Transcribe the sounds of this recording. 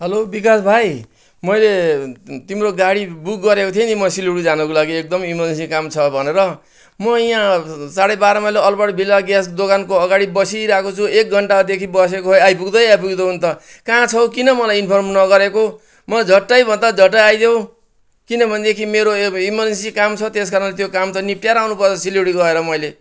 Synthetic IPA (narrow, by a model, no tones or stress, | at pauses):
ɦʌlobikasbʱaj | mʌjlet̪imroɡaɽibuk̚ːʌɾekot̪ʰjʌnimʌsiluɽud͡zanʌkolaɡiek̚d̪ʌmimʌd͡zensikamt͡sʰʌbʱʌneɾʌ | mʌãsaɽʌjbaɾʌmʌleʌlpʌɽbʱilaɡjasd̪okankoʌɡaɽibʌsiɾakot͡sʰuek̚ɡʱʌɳʈad̪ekʰibʌs̬ekoɦojajp̬uɡd̪ʌjajpuɡd̪ʌɦunt̪ʌ | kãt͡sʰʌw̃kinʌmʌlajinpʰʌrmnʌɡʌɾeko | mʌd͡zʱʌʈːajbʱʌnd̪ad͡zʱʌʈːajajd̪jew̃ | kinʌbʱʌned̪ekʰimeɾoimʌensikamt͡sʰʌt̪eskaɾʌnlet̪jokamt̪ʌnip̚ʈjaɾawnupʌrt͡sʰʌsiljuɽiɡʌeɾʌmʌjle